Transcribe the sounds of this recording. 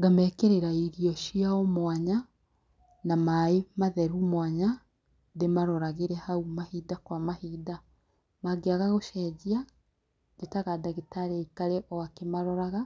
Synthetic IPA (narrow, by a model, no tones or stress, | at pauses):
ɡamɛkeɾeɾaiɾiɔʃiaɔmwaɲa | namaemaðɛɾumwaɲa | demaɾɔɾaɣeɾɛhaumahidakwamahida | maɡeaɣaɣoʃɛːd͡ʒia | detaɣadaɣetaɾeikaɾeʔɔakemaɾɔɾaɣa